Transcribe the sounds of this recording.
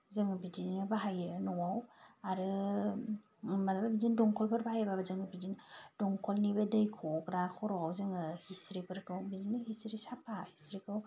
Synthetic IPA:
zɯŋɯbidinɯbaɦajɯnɔwawaɾɯ | malababidindɔŋkʰɔlpʰɯɾbaɦajɯbabazɯŋɯbidind̥ɔŋkʰɔlnibadɯjkʰɔkɾakʰɔɾɔawzɯŋɯhisɾipʰɯɾtɔŋbidinɯɦisɾisapʰahisɾikʰɯw

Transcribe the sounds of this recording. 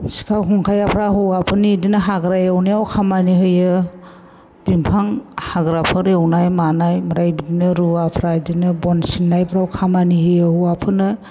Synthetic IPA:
si̥kʰawɦɔŋkʰajapʰɾaɦuwapʰɯnidinɯɦaɡɾajewnijawkʰamaniɦɯjɯ | b̥impʰaŋhaɡɾapʰɯɾewnajmanajmaɾajbidinɯɾuapʰɾadinɯbɔnsinːajbʰɾawkʰamanihɯjɯhuwapʰɯnɯ

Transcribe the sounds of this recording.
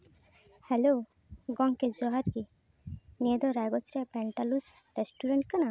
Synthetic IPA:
helo | ɡɔŋked͡ʒɔɦaɾki | ned̪ɔɾaɡɔt͡ʃɾepɾɛɳʈalus | ɾesʈuɾeɳʈkana

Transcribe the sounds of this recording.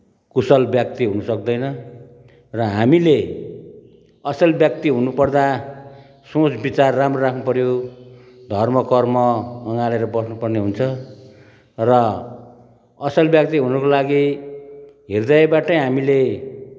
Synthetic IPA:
kusʌlbjʌk̚t̪iɦunʌsʌk̚d̪ʌjnʌ | rʌɦamile | ʌsʌlbjʌk̚t̪iɦunupʌrd̪a | sõt͡sbit͡sarːamroɾakʰnupʌɾjo | d̪ʱʌrmʌkʌrmʌːŋaleɾʌbʌsnupʌrneɦunt͡sʰʌ | rʌ | ʌsʌlbjʌk̚t̪iɦunʌkolaɡi | ɦerd̪ajbaʈʌjɦamile

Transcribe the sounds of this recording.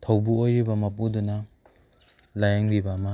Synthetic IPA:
tʰɐwbuojɾibɐmɐpudunɐ | lajaŋɾibamɐ

